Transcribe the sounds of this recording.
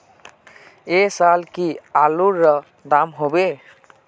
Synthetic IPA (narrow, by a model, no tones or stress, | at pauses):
esalkialuɾːʌ | d̪amɦobe